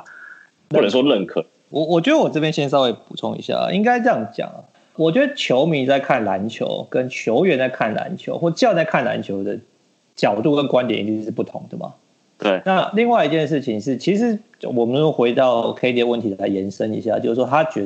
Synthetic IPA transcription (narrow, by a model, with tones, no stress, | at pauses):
u˥lə˨˦nʂwɔ˦˥lə˥˨nkʰɤ̰˥˨˩ | wɔ˨wɔ˨˩t͡ɕɥɛ˧˥d̪ə˥wɔ˨˩ɤ˥˧pjɛ˥˦nɕjɛ˥s̬ɑ˥˧we˥˩ɪpu˨˩t͡sʰʊ˥˧ŋḭ˧˥ɕja̰˥˩˨i˦ŋka˥ɪʈ͡ʂjɑ˥ŋt͡ɕjɑ̰˨˩ŋ̰˩ | wɔ˨˩t͡ɕɥɛ˧˦˥d̪ə˦t͡ɕʰjo˧˥ʊmi˧˥nt͡sa˥˧ɪkʰa˥˩nla˧˦nt͡ɕʰjo̰˧˥ʊkə˦˥nt͡ɕʰjo˧˥ʊɥɛ˧˥nt͡sa˥˧ɪkʰa˥˩nla̰˧˦nt͡ɕʰjo̰˧˥ʊxwɔ˥˩˧t͡ɕjɑ˥˧ʊt͡sa˥˧ɪkʰa˥˩nla̰˧˦nt͡ɕʰjo˧˥ʊd̪ə˨ | t͡ɕjɑ˨˩ʊt̪u˥˩kə˦nkwa˥˦nt̪jɛ˨nʔḭ˨˩y˥˧˩ʂɻ̩˥˩pu˥˩t̪ʰʊ̰˧˦ŋd̪ə˨mɐ̰˩ | t̪e˥˩ɪna˥˧li˥˧ŋwa˥˩ɪi˧t͡ɕjɛ˥˧nʂ̬ɻ̩˥˩t͡ɕʰi˨ŋʂɻ̩˥˩t͡ɕʰi˧˥ʂɻ̩˧˦ | wɔ˨˩mə˦no˥xwe˧˥ɪt̪ɑ˥˨ʊkʰe˥ɪt̪i˧˦wə˥˩nt̪ʰi˨˥la˧˦ɪjɛ˧˥nʂə˦ŋḭ˧˥ɕja̰˥˩t͡ɕjo˥˧ʊʂ̩˥˩ʂwɔ˥t̪ʰa˥t͡ɕɥɛ˧˥